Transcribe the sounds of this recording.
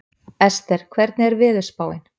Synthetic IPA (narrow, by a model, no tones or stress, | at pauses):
ɛst̪ɛɾ̥kʰvɛɾt̪̚nɪɛɾvɪːðʏ̥spaːwɪn